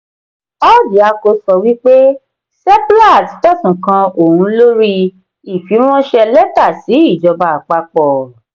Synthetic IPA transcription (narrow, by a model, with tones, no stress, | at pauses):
ɔ˦di˨˦a˧ko˧sɔ˧wi˦k͡pe˦ | sɛ˦pla˦˨ti˨˦tɔ˦˨tũ˨kã˧o˨hũ˧˦lo˦ɾi˧ | i˨fi˨˦w̃ɔ̃˦ʃɛ˧lɛ˦ta˦˨si˨˦i˦˨d͡ʒɔ˧ba˧˨k͡pa˧k͡pɔ˨